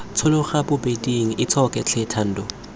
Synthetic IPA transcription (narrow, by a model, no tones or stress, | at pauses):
t͡sʰʊlʊχabʊbediŋ̩ʔɪt͡sʰɔkʼɛt͡ɬʰɛtʰan̩ːdɔ